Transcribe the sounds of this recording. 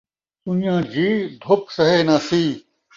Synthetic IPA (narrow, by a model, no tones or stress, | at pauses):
t̪unjãːd͡ʑiːd̪ʱop̚sɐɦeːnãːsiː